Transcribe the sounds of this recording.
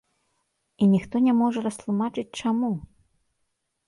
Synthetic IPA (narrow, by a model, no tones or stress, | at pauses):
inʲixt̪ɔnʲɛmɔʐɐɾɐst̪lˠumat͡ʂɨt͡sʲt͡ʂamu